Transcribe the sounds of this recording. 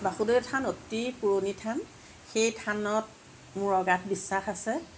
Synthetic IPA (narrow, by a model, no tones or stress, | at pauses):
baxudojɛtʰanotipuɹonitʰan | xejtʰanɔt̚ | muɹɔɡat̚ʰbisːaxasɛ